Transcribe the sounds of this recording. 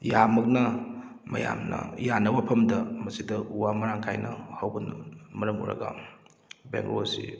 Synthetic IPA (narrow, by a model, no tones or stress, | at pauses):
jamɐk̚nɐ | mɐ̰jamnɐ̰janɐbapʰɐmdɐmɐsidɐuwamɐɾaŋkʰajnɐhɐwbɐnmɐɾɐmṵɾɐ̰ɡɐ̰ | bḛŋɡloɐsḭ